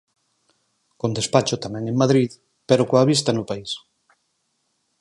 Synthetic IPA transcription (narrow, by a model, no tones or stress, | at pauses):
kond̪espat͡ʃʊt̪amɛ̃ŋeŋmaðɾið | peɾokoaβis̬t̪anʊpais